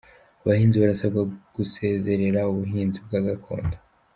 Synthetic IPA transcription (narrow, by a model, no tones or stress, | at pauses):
aβahiːnziβaɾasabɡaɡ̥use̞ːze̞ɾe̞ɾauβuɦiːnzib̚ɡaɡakʰo̞̰ːndḁ